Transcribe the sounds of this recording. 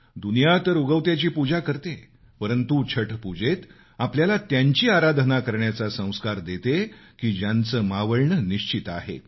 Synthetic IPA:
d̪unijat̪əɾuɡəwt̪jat͡ɕiːpud͡ʑakəɾt̪e | pəɾənt̪ut͡ɕʰəʈʰpud͡ʑet̪ | apljalat̪jaɲt͡ɕiːaɾad̪ʱnakəɾɳjat͡sasə̃w̃skaɾd̪et̪ekiːd͡ʑjant͡səːmaʋəɭɳəniɕt͡ɕit̪aɦḛ

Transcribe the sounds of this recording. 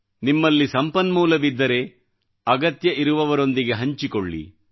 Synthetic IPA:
nimːɐlːisɐmpɐnmuːlɐʋid̪ːɐɾe̞ | ɐɡɐt̪jɐʔiɾuʋɐʋɐɾo̞nd̪iɡe̞ɦɐɲt͡ʃikoɭːḭ

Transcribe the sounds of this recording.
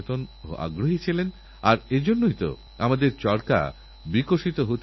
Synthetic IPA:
t̪ono̰ʔa̰ɡɾoɦit͡ɕʰilen | aɾed͡ʑonːoit̪o̰ | a̰mad̪eɾt͡ɕɔɾka̰ | bikoʃit̪oɦot̪

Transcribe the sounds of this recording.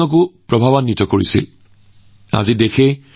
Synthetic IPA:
ɔk̬ʊpɹɔbʱabanːitɔkoɹḭsḭl | a̰zidexe

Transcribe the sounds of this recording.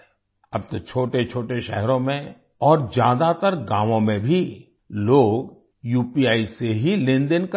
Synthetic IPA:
ɐb̚t̪ot͡ʃʰoːʈet͡ʃʰoːʈeʃɛ̰ɦɾõmẽ | ɔːɾd͡ʒjaːd̪at̪əɾɡãːʋõmẽbʱi | loːɡ | juːpiaːiseɦilɪ̃nd̪ənk

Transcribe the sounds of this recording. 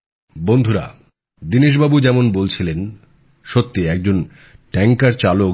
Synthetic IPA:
bond̪ʱuɾa̰ | d̪iniʃ̬babud͡ʑɛmonbolt͡ɕʰilen | ʃot̪ːiɛk̚d͡ʑon | ʈɛŋkaɾt͡ɕalo

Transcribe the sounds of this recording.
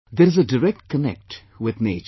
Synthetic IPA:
d̪əɾɪzəɖəɾɛk̚ʈ̚kənɛ̰k̚ʈ | wɪd̪neːt͡ʃ

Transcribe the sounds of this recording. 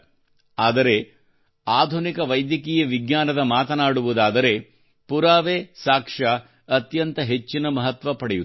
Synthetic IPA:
aːd̪ɐɾe̞ | aːd̪ʱunikɐʋɐjd̪jɐkiːjɐʋiɡɲaːnɐd̪ɐmaːt̪ɐnaːɽuʋud̪aːd̪ɐɾe̞ | puɾaːʋeːsaːkʂɐ | ɐt̪jɐnt̪ɐɦe̞t͡ʃːinɐmɐɦɐt̪ʋɐpɐɽeju

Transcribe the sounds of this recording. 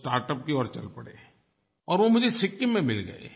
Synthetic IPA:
sʈaːɾʈəp̚kiɔːɾt͡ʃɐ̰lpɐɽḛː | ɔːɾʋomʊd͡ʒʱesɪkːimẽmɪlɡɐ̰ḛː

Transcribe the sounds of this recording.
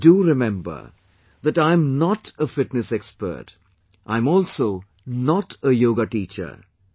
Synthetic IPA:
duɾɪmɛ̃mbə̰ɾ | ðæʈãɪ̃mnɔʈəfɪʈnɨsɛkspə̰ːʈ | ʔã̰ɪ̃mɔːlsoː | nɔʈəjoːɡaʈiːt͡ʃə̰ɾ

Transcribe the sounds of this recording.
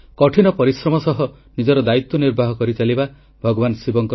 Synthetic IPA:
kɔʈʰinɔpɔɾisɾɔmɔsɔɦɔ | nid͡ʒɔɾɔd̪ait̪wɔniɾbʱaɦɔkɔɾit͡ʃaliba | bʱɔɡɔbansibɔŋk

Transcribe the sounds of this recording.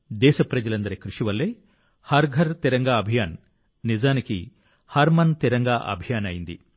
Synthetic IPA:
d̪ɛːʃɐpɾɐd͡ʒɐlɐnd̪ɐɾikɾuʂiʋɐlːe | hɐɾɡʱɐɾt̪iɾɐŋɡaːɐbʱijaːn | nizaːnikḭ | hɐɾmɐnt̪iɾɐŋɡaːʔɐ̰bʱijaːnɐjind̪ḭ

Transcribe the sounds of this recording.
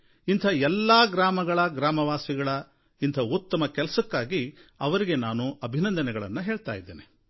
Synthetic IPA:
int̪ʰɐɛlːaːɡɾaːmɐɡɐɭɐɡɾaːmɐʋaːsiɡɐɭɐ | int̪ʰɐut̪ːɐmɐkɛlɐsɐkːaːɡiɐʋɐɾiɡe̞naːnuɐbʱinɐnd̪ɐnɛɡɐɭɐ̰nːuɦe̞ːɭt̪aːjid̪ːeːne

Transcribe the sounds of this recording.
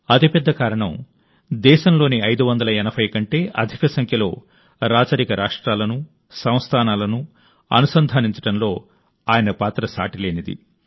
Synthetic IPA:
ɐt̪ipɛd̪ːɐkaːɾɐɳɐm | d̪ɛːʃɐmlo̞ːniɐjd̪uʋɐnd̪ɐlɐɛnɐbʱɐjkɐɳʈe̞ːʔɐ̰d̪ʱikɐsɐŋkʰjɐlo̞̰ː | ɾaːt͡ʃɐɾikɐɾʔaːʂʈɾaːlɐnu | sɐ̃w̃st̪ʰaːnaːlɐnu | ɐ̰nusɐnd̪ʱaːniɲt͡ʃɐɽɐnlo̞ː | aːjɐnɐpaːt̪ɾɐsa̰ːʈile̞ːnid̪ḭ

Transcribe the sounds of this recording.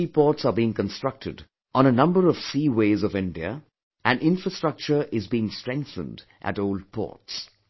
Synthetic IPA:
ipʰɔːtsəbiɪ̃ŋkə̃nstɹ̥ʌk̚tʰɪd | ʔɔ̃nənʌ̃mbəɾɔv̥siːweɪzɔvɪ̃nɖiə̰ | ʔæ̃nɪ̃nfɹəstɹ̥ʌk̚t͡ʃə˞ʔɪzbiɪ̃ŋstɹ̥ɛ̃ŋk̚θə̰̃nd | ʔæ̰toʊlɖ̚pʰɔ̰ɹts

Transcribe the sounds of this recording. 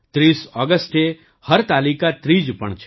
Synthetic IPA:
t̪ɾisɔɡəsʈ̪e | həɾt̪alikat̪ɾid͡ʒpəɳt͡ʃʰe̥

